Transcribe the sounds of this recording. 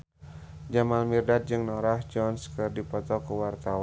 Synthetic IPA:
d͡ʒamalmirdat̪̚d͡ʒɨŋnɔɾahd͡ʒɔnskɨrdipɔt̪ɔkəwart̪aw

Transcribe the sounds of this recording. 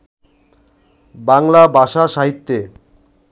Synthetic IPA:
baŋlabʱaʃaʃaɦit̪ːe

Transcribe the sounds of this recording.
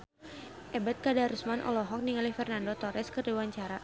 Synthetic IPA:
ʔɛbɛt̪̚kadaɾusmanʔɔ̰lɔɦɔk̚niŋalifɛrnandot̪ɔɾɛskɨrdiwaɲt͡ʃaɾa

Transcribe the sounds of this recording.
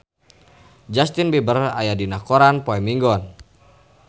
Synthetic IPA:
d͡ʒast̪inbibərajadinakɔɾanpɔɛmiŋɡɔn

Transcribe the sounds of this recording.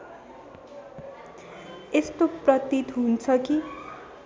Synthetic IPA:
est̪oprʌt̪it̪ɦunt͡sʰʌki

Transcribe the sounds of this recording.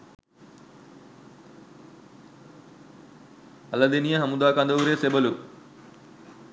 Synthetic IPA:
ɐlɐd̪eːnijɐɦɐmud̪aːkãnd̪ɐʋuɾeːsebɐlu

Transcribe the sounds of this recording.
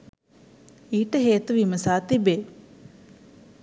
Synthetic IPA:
iːʈəɦeːt̪uʋiməsaːt̪ibe

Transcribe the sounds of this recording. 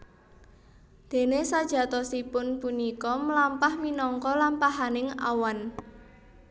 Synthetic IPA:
d̪̥e̤nesad̥ʒ̥a̤t̪ɔsipʊnpunikɔməlampahminɔŋkɔlampaɦanɪŋa̰wan

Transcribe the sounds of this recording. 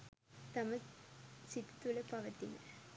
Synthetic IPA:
t̪ɐmɐsit̪ːi̥t̪ːulɐpɐʋɐt̪ːinɐ

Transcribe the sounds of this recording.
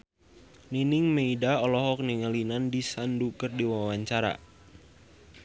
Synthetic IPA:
ninɪŋmeidaɔlɔɦɔk̚niŋalinandisandukɨrdiwawaɲt͡ʃaɾa̰

